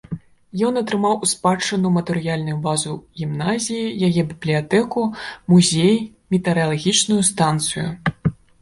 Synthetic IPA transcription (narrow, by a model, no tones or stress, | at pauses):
jɔnɐt̪ɾɨmawʔuspat͡ʂːɨnumɐt̪ɛɾɨjalʲnujubazuɣʲimnazʲijijajɛbʲiblʲijat̪ɛkumuzʲej | mʲit̪ɛɾɨɐlˠaɣʲit͡ʂnujust̪ant̪sɨjṵ